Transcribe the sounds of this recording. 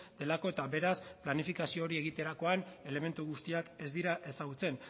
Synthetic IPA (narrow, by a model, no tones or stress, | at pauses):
d̪̥e̞lako̞e̞t̪aβe̞ɾasplanifikasio̞ːɾie̞ɣ̞it̪e̞ɾako̞ane̞le̞me̞nt̪uɣ̞ust̪iake̞zd̪iɾaʔe̞saɣ̞ut͡se̞n